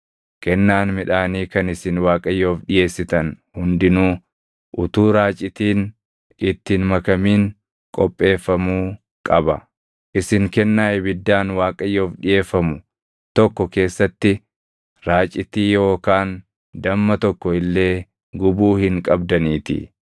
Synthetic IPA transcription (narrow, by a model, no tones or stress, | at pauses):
kɛnːaːnmɪᶑaːniːkɐnɪsɪnwaːkʼɐjːo̞ːfᶑɪje̞ːsːɪt̪ɐn | hʊnd̪ɪnuː | ʔʊt̪uːɾaːt͡ʃʼɪt̪iːn | ɪt̪ːɪnmɐkɐmiːŋ | kʼɔpʼːe̞ːfːɐmuː | kʼɐbɐ | ʔɪsɪŋkɛnːaːʔɛbɪd̪ːaːnwaːkʼɐjːo̞ːfᶑɪje̞ːfːɐmʊ | t̪ɔkːɔke̞ːsːɐt̪ːɪ | ɾaːt͡ʃʼɪt̪iːjo̞ːkaːn | d̪ɐmːɐt̪ɔkːɔɪlːe̞ː | ɡʊbuːhɪŋkʼɐbd̪ɐniːt̪ɪ̰